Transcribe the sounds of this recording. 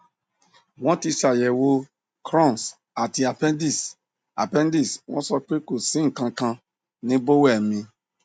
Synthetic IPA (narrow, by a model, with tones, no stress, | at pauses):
wɔ̃˦ti˧sa˨jɛ˨wo˧ | kɾɔ̃˦˨s | a˨ti˧a˨pɛ˦di˨s | a̰˨pɛ̃˦n˦di˦˨sw̃ɔ̃˦sɔ˧k͡pe˦ko˨sĩ˦ŋ̩˨kã˧kã˧ | nĩ˦bo˦wɛ˦˨mĩ˧